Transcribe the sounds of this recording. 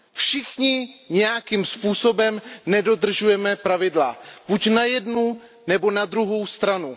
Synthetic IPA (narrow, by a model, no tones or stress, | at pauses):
fʃɪxɲɪɲɛjakiːmspuːso̞bɛmnɛdo̞d̪r̩ʒujɛmɛpɾavɪdlab̥ucnajɛdnu | nɛbo̞nad̪ɾuɦo̞wst̪ɾanu